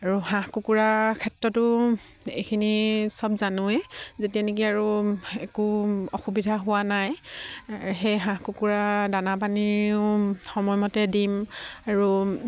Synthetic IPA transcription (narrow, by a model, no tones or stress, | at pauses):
aɹuhãkukuɹakʰɛtɹɔtʊ | ejkʰinisɔbzanʊɛzetianek̬iaɹuekuɔxubidʱaɦʊwanaj | xejɦãkukuɹadanap̬aniʊʊxɔmɔjmɔtɛdimaɹu